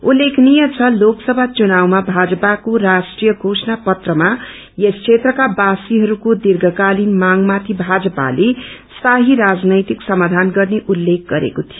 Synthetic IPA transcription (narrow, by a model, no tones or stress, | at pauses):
ulːekʰnijʌt͡sʰʌloksʌbʱat͡sunawmabʱad͡zʌpakorasʈrijʌɡʱosnapʌt̪rʌma | jesʰet̪rʌkabasiɦʌɾukod̪irɡʱʌkalinmaŋmat̪ʰibʱad͡zʌpa̰lesaɦiɾad͡znʌjt̪iksʌmad̪ʱanɡʌrneʔulːek̚ʰɡʌɾḛkot̪ʰijo